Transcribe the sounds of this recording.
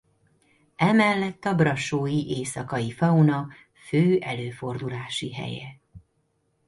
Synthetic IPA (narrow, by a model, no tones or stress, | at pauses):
ɛmɛlːɛt̪ːɒbrɒʃoːjiʔeːsɒkɒjifɒunɒ | føːɛløːfo̞rd̪ulaːʃiɦɛ̰jɛ̰